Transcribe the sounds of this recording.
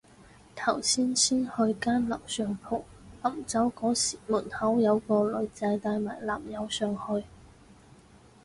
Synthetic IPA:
t̪ʰɐ˨˩wsiː˥nsiː˥nhɵ˧ɥkaː˥nlɐ˨˩wsœː˨˧ŋpʰʊ˨˩w̚ | lɐ˨˩mt͡sɐ˨˥wkɔː˨˥siː˨˩muː˨˩nhɐ˨˥wjɐ˨˧wkɔː˧lɵ˨˧˥ɥt͡sɐ˨˧˥jt̪aː˧jmaː˨˩jla̰ː˨˩mjɐ˨˧wsœː˨˧ŋhɵ˧ɥ

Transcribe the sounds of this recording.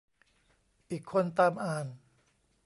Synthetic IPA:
ʔiː˨˩kʰːo˧nt̪aː˧mʔaː˨˩n

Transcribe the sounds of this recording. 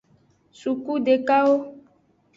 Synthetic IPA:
su˨ku˦ɖe˨ka˦wo˦

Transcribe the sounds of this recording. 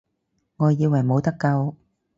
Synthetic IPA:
ŋo˧˩jzi˧wa˨˩mo˨˦t̪a˦˥kka˧w

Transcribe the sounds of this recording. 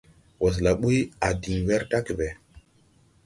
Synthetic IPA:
wɔ˨s̬la˨ɓu˦ja˨di˨ŋwɛ˦ɾta˦ke˨ɓɛ˨

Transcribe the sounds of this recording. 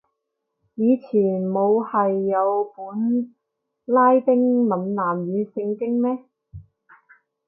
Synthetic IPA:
jiː˨˧t͡sʰiː˨˩nmo˨˧whɐ˨jːɐ˨˧wpuː˨˥n | laː˥jt̪ɪ˥ŋmɐ˨nnaː˨˩mɥyː˨˧sɪ˧ŋkɪ˥ŋmɛː˥

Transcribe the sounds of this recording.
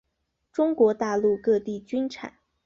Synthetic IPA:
ʈ͡ʂʊ˥ŋkwɔ˧˥t̪a˥˧lu˥˩˧kɤ˥˧t̪i˥˩t͡ɕy˥nʈ͡ʂʰa̰˨˩˦n

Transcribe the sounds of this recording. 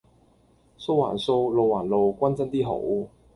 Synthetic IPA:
so˥wa̰ː˨˩nso˥wlo˨˧waː˨˩nlo˨˧wkʷɐ˥nt͡sɐ˥nt̪iː˥ɦo̰˨˧˥w

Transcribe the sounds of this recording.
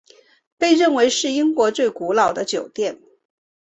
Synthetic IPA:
pe˥˧ɪɻə˥˩nwe˧˥ɪʂɻ̩˥˩i˥ŋkwɔ˧˥t͡swe˥˩ɪku˧˥lɑ˨˩ʊd̪ə˦t͡ɕjo˨˩ʊt̪jɛ˥˩n

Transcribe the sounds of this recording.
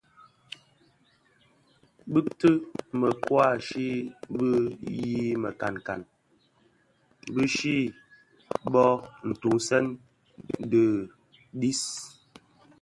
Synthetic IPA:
bɨ˦k̚tɨ˦mə˨kwa˦˨ʃi˦bə˦ji˦mə̰˨ka̰˨nka̰˨n | bɨ˦ʃi˦ | bɔ˦n̩˨tu˨ŋsɛ˦n˦ | də˨ | di˦s

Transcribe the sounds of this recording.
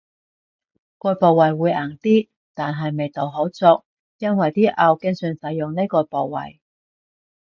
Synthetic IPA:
kɔː˧jpoː˨wːɐ˨˩jwuː˨˧˥jʔaː˨˩ŋt̪iː˥ | t̪aː˨nɦɐ˨jme˨jt̪o˨˩wɦo˨˥wt͡sʊ˧k̚ | jɐ˥nwɐ˨jt̪iː˥ʔɐ˧wkɪ˥ŋsyː˨˧nsɐ˨˧jʊ˨ŋne˥jkɔː˧poː˨˩wwɐ̰˨˩j

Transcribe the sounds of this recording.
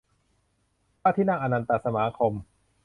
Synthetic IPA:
paː˥˩t̪ʰiː˥˩naː˥˩ŋʔa˧na˧nt̪a˧sa˧maː˨˦kʰo˧m

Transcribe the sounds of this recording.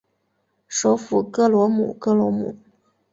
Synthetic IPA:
ʂo˧˥ʊfu˨˩kɤ˥˩lwɔ˧˥mṵ˨˩kɤ˥˩lwɔ˧˥mṵ˨˩˦

